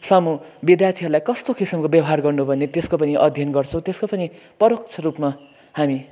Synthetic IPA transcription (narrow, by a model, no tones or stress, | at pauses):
sʌmubid̪jart̪ʰiɦʌɾlajkʌst̪okisʌmkobjʌbʌɦarɡʌrnubʱʌnet̪eskopʌniʔʌd̪ʱjʌnɡʌrt͡sʰʌ̃w̃t̪eskopʌni | pʌɾok̚t͡sʰʌɾupma | hami